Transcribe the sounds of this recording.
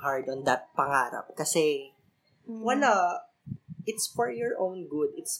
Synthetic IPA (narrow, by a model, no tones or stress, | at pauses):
ɦaɹd̪ɔnd̪ɐt̪̚pɐŋaːɾɐ̰p̚kɐsɛ | wɐla | ʔɪt̪sfɔɹjɔɹʔõwnɡʊd̪ɪt̪s